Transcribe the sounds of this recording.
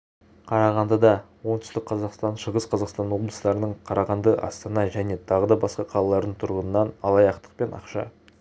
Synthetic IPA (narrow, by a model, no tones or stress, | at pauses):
qʰɑɾɑʁɑnd̪ɑd̪ɑwo̞nt̪ʰʏst̪ɪk̚qʰɑzɑqst̪ɑnʃəʁəsqʰɑzɑqst̪ɑnwo̞blˠəsəlˠɑɾənəɴqʰɑɾɑʁɑnd̪əʔɑ̰st̪ɑnɑʒæne̞t̪ʰɑʁəd̪ɑbɑsqɑqʰɑlˠɑlˠɑɾd̪əɴt̪ʰʊɾʁənənɑnɑlˠɑjɑqt̪ə̥qpe̞nɑ̰qʃɑ̰